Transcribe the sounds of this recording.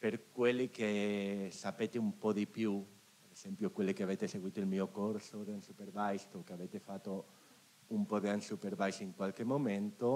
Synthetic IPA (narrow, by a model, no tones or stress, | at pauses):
peɾkwelːikesapet̪eumpɔd̪ipju | peɾez̥ɛmpjokwelːikeavet̪eseɡwiːt̪oilmiokoɾsod̪eansupeɾbajst̪okeavet̪efat̪ːo | umpɔd̪eansupeɾbajsiŋkwalkemoment̪o